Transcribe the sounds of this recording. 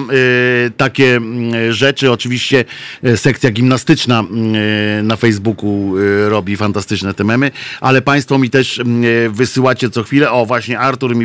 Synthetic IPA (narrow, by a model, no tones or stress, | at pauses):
t̪akʲɛʐɛt͡ʂɘɔt͡ʂɘvʲiɕt͡ɕɛsɛk̚t̪sʲjaɡʲimnast̪ɘt͡ʂna | nafɛjzbukuɾɔbʲifant̪ast̪ɘt͡ʂnɛt̪ɛmɛmɘʔalɛpaj̃st̪fɔmʲit̪ɛʂvɘsɘwat͡ɕɛt̪sɔxfʲilɛʔɔvwaɕɲɛaɾt̪uɾmʲi